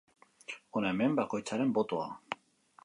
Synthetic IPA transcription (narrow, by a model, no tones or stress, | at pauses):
onaeme̞mbako̞jt͡saɾe̞mbo̞t̪o̞a̰